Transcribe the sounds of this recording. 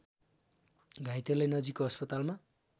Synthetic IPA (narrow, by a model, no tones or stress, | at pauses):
ɡʱajt̪elejnʌd͡zikoʌspʌt̪alma